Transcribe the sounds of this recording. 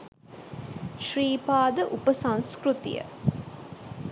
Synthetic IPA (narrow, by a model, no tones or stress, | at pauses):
ʃriːpaːd̪əʔupəsãŋskɾut̪ḭjə̰